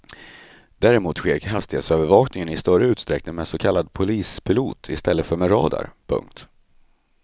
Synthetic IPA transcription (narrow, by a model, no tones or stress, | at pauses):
d̪̥æɾɪmuːt̪ɧeːɾɦast̪ɪɡasøːvəɾvɑːknɪŋənɪst̪œɾəʉ̟ːt̪st̪ɾɛk̚nɪŋmɛnsɔkʰalːad̪pʰʊliːspʰɪlṵːt̪ʰɪst̪ɛlːəfœɾmɛɾɑ̰ːd̪a̰ɾpʰɵ̰ŋk̚t̪